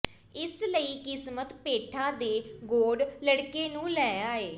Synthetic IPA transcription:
ɪsləiːkɪsmət̪peːʈʰaːd̪eːɡoːɖləɽkeːnũːlɛːjaːeː

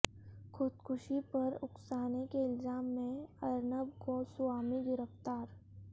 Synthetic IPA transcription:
xʰʊd̪kʰʊʃipɐɾʊksaːnekeɪlzaːmːẽɐɾnəb̚kosʊaːmiɡɪɾəft̪aːɾ

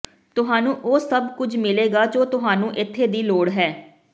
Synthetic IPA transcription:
t̪ʊɦaːnũːʔoːsəbkʊd͡ʒmɪleːɡaːd͡ʒoːt̪ʊɦaːnũːʔɪt̪ʰːeːd̪iːloːɽɦɛː

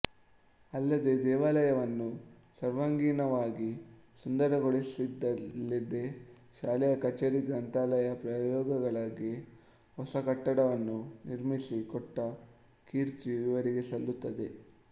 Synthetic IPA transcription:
ɐlːɐd̪e̞d̪ɛːʋaːlɐjɐʋɐnːu | sɐɾʋaŋɡiːnɐʋaːɡi | sund̪ɐɾɐɡoɭisid̪ːɐlːid̪e̞ | ʃaːlɛjɐkɐt͡ʃɐɾiɡɾɐnt̪aːlɐjɐpɾɐjɔːɡɐɡɐɭaɡi | hɔsɐkɐʈːɐɽɐʋɐnːuniɾmisikɔʈːɐ | kiːɾt͡ʃiʋiʋɐɾiɡe̞sɐlːut̪ːɐd̪e̞

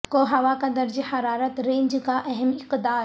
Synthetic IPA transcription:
koɦɐʋakɐ̃nd̪əɾd͡ʑiːhɐɾaːɾət̪ɾẽːɲd͡ʑkaʔɐɦəmɪqd̪aː

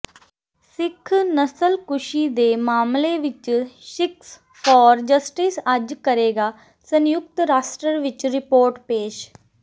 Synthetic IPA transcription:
sɪkʰːnəsəlkʊʃid̪emaːmleʋɪt͡ʃʃɪks | fɔːɾd͡ʒəsʈisad͡ʒkəɾeːɡaː | sə̃njʊk̚t̪ɾaːsʈɾəɾʋɪt͡ʃɾɪpoːɾʈpeːʃ

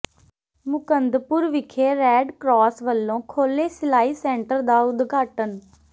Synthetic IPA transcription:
mʊkənd̪pʊɾʋɪkʰeːɾɛːɖkɾɔːsʋəlːõːkʰoːleːsɪlaːiːsɛ̃ːɳʈəɾd̪aːʊd̪ɡaːʈən

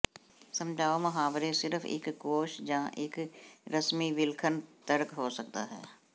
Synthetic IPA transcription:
sə̃md͡ʒʱaːoməɦaːʋɾesɪɾəfʰɪ̰kɡoːʃd͡ʒãːʔɪkɾəsmiʋɪlkʰənt̪əɾkɦoːsək̚t̪a̰ɦɛ̰ː

